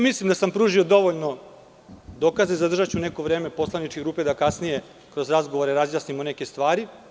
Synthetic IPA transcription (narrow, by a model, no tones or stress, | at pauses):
mislimd̪asampɾuːʒio̞d̪o̞ʋoʎno̞ | d̪oːkazezad̪ɾr̩ʒat͡ɕune̞ko̞ʋɾe̞ːme̞po̞slˠanit͡ʃkeɡɾuːpe̞d̪akasnije̞ | kɾo̞zɾazɡoʋoɾeɾazjaːsnimonekest̪ʋaːɾi